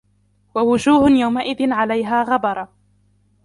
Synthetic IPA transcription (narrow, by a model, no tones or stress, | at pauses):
wawʊd͡ʒuːhʊjawmaʔɪðɪnʕalajɦaːɣabɑɾˤɑ